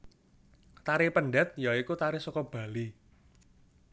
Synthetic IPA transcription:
t̪aɾipəɳɖɛt̪̚jaikut̪aɾɪsɔkɔb̥a̤li

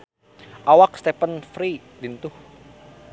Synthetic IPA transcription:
ʔawak̚st̪epənfɾi | lint̪ʊh

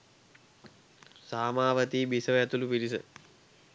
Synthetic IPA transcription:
saːmaːʋət̪iːbisəʋəɛt̪ulupiɾisə

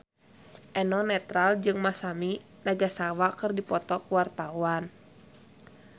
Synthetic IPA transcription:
ʔɛnɔnɛt̪ɾald͡ʒɨŋmasami | naɡasawakɨrdipɔt̪ɔkuwart̪awan

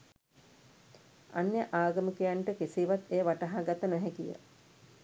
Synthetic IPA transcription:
anjəʔaːɡəmikejaɳʈəkesiːʋat̪ejəʋaʈaɦaɡat̪ənɛɦɛkijə̰

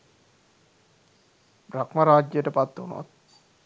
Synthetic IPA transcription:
bɾakmaɾaːd͡ʒjəʈəpat̪ːonṵʋa̰t̪̚

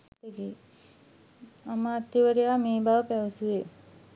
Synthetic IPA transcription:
t̪eɡe | aməːt̪ːiʋəɾejaːmeːbaʋəpɛʋsue

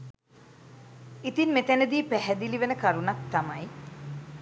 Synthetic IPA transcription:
it̪inmet̪ænəd̪iːpæɦɛd̪iliʋenəkaɾunak̚t̪amaj

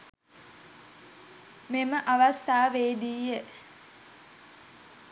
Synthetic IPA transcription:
meməʔaʋast̪aːʋeːd̪iːje

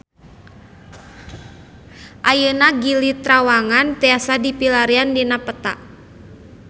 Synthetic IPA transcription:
ʔajənaɡilit̪ɾawaŋant̪ɛasadipilaɾiandinapət̪a̰ʔ

